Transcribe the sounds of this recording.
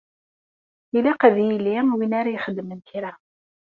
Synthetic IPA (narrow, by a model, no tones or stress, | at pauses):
ilaqæðjilːiwinaɾajχəd̪ːmənt̪iɾa